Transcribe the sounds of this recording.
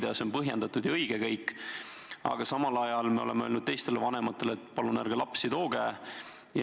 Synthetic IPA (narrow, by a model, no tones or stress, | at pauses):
d̪ɑso̞npɤɦjend̪̥ɑt̪ud̪̥jɑɤjɡ̥ekɤjkˑː | ɑ̰ɡ̥ɑsɑmɑlɑjɑlmeo̞̰le̞̰meøːlnud̪̥̚t̪ejst̪e̞levɑne̞mɑt̪ːˑe̞let̪ːˑpɑlunæɾɡ̥elɑpsit̪oːɡ̥æː | j